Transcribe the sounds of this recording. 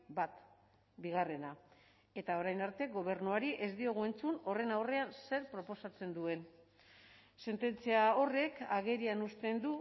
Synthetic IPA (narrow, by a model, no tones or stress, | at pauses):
bat̪ | biɣ̞are̞na | e̞t̪ao̞ɾajnaɾt̪e̞ɣo̞β̞e̞ɾnuaɾiʔe̞zd̪io̞ɣ̞ue̞nt͡suno̞re̞nawre̞anse̞ɾpɾo̞po̞sat͡se̞nd̪ue̞n | se̞nt̪e̞nt͡siao̞re̞kaɣ̞e̞ɾianust̪e̞nd̪u